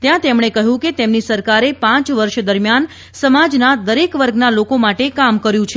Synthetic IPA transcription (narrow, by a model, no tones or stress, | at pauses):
t̪jãt̪emɳ̃ekəɦũket̪emnisəɾkaɾepãt͡ʃʋəɾʃd̪əɾmjan | səmad͡ʒnad̪əɾekʋəɾɡnalokomaʈekamkəɾjũt͡ʃʰe